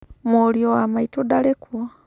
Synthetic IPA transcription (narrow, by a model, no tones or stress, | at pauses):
moljowamaitodalekwa